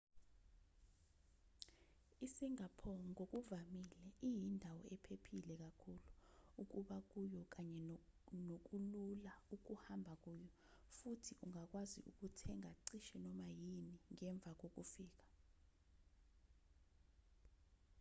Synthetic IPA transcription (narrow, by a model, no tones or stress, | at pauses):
isiŋapʰɔŋok̬uvamilɛʔijindʱawɔɛpʰepʰilɛk̬akʰuluuk̬uɓak̬ujɔk̬aɲɛnok̬ululauk̬uhambʱak̬uːjɔ | futʰiʔuŋak̬wazḭʔuk̬utʰɛŋaǀiʃɛnɔmajiniŋɛɱb̪vʱak̬ok̬ufiːk̬ḁ